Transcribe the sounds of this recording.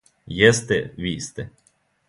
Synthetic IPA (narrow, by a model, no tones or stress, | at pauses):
jɛst̪ɛʋiːst̪ɛ